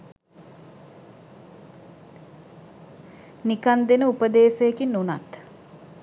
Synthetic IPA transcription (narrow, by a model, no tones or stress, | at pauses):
nikand̪enəupəd̪eːsəekinːunat̪